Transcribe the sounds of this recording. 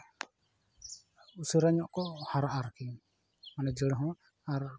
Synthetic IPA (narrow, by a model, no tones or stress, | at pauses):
usuɾaɲɔʔkɔhaɾaʔaɾki | manɛd͡ʒəɽɦɔ̃ | aɾ